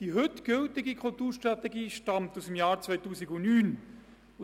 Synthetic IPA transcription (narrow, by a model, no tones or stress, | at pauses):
d̥iɦʏtɡ̥ɵltɪɡikʰʊltuːɾʃtrɑtɛɡiːʃtɑmt̪usmjɑːɾt͡svœjtuːsiɡʊnyːn | l